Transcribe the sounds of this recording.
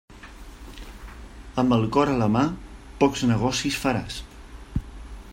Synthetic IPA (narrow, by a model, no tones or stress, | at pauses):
əmbəlˠkɔɾələmapɔkznəɣ̞ɔsisfəɾas